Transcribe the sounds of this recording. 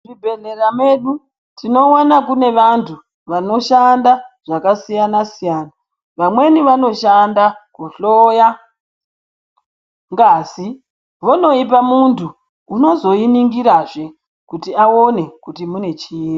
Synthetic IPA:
ribʱenerame̞ɗu | tino̞wanakune̞ʋantʰu | ʋano̞ʃandaʐ̥akasijanasijaːna | ʋamwe̞niʋano̞ʃandakoɬoːja | ŋɡaːsi | ʋono̞ip̬amuntuː | no̞zo̞iniŋɡiɾaːʐe̞ | kutiaone̞kutimune̞t͡ʃiini

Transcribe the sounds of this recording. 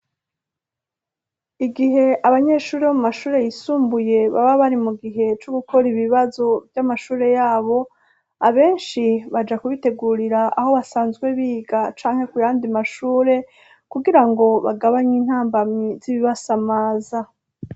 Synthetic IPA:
iɡiɦe̞aβaɲe̞ʃuːɾeβomumaʃuːɾe̞jisuːmbuje̞βa̰βaβaɾimuɡiɦe̞t͡ʃoɡuko̞ɾiβiβazo̞vjamaʃuːɾe̞jaːβo̞ | aβe̞ːnʃiβad͡ʒakuβite̞ɡuːɾiɾaaho̞βasaːnzɡwe̞βiːɡat͡ʃaːŋ̥he̞kujaːndimaʃuːɾe̞ | kuɡiɾaŋɡo̞βaɡaβaɲiːn̥haːmbamiziβiβasamaːza

